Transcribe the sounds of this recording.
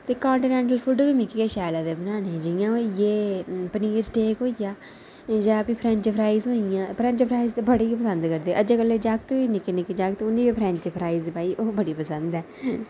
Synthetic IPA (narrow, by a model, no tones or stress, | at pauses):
t̪eːkaːɳʈiːnɛ̃ːɳʈəlpʰʊɖbiːmɪkiːɡeːʃɛːlaːd̪eːbənaːned͡ʒɪjãːoijeːpəniːɾzʈeːkɦoːijaː | d͡ʒapiːpʰɾɛ̃ɲt͡ʃpʰɾaːizɦõːɪjãːpʰɾɛ̃ɲt͡ʃpʰɾaːizt̪ebəɽeːipəsə̃nd̪kəɾd̪eːʔəd͡ʒeːkəlːeːd͡ʒaːk̚t̪õːʋiːnɪkenɪked͡ʒaːkt̪eʊnːiːbiːpʰɾɛ̃ɲt͡ʃpʰɾaːizbaːiːʔoːbəɽiːpəsənd̪ɛː